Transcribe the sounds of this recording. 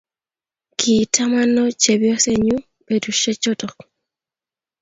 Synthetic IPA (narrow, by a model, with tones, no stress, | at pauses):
kʰi˨tʰa˦ma˦nːɔ˦t͡ʃe˨bjɔ˦se˦ɲu˦ | be˨du˨ʃe˦t͡ʃɔ˦tɔ˨k